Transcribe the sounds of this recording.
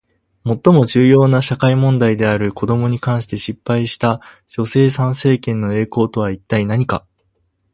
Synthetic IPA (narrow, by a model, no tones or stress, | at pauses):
mo̞t̪ːo̞mo̞ʑɨːjo̞ːnaɕakaimõ̞nd̪aid̪e̞aɾɯ̟ko̞d̪o̞mo̞ɲ̟ikãɰ̃ɕi̥t̪e̞ɕipːaiɕi̥t̪ḁ | d͡ʑ̥o̞se̞ːsãɰ̃se̞ːkẽ̞nːo̞e̞ːko̞ːt̪o̞β̞ait̪ːainaɲ̟ika̰